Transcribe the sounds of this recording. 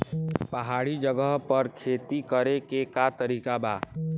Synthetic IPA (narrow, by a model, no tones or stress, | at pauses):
pəɦaːɽid͡ʒəɡəɦpəɾkʰeːt̪ikəɾekekat̪əɾiːkaba̰ː